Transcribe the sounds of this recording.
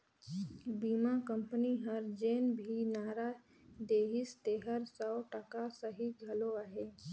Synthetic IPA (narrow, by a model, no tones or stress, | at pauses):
biːmakə̃mpəniɦəɾd͡ʒeːnbʱinaːɾa | d̪eːɦɪst̪eːɦəɾsɔʊʈəkasəɦiɡʱɐloaɦeː